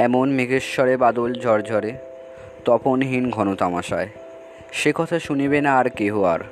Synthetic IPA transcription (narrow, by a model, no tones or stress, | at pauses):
ɛmonmeɡeʃʃɔɾebad̪old͡ʑʱɔɾd͡ʑʱɔɾe | t̪ɔponɦinɡʱɔnot̪amaʃa̰e | ʃekɔt̪ʰaʃunibenaːɾkeɦoa̰ɾ